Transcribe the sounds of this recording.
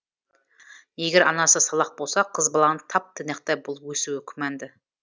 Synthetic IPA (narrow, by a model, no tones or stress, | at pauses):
jeɡʲeɾʔɑnɑsəsɑlˠɑq̚bo̞lˠsɑqʰəzbɑlˠɑnət̪ʰɑp̚t̪ʰɪneq̚t̪ɑjbʊlˠwɵsuɪkʲʰɪmænd̪ɪ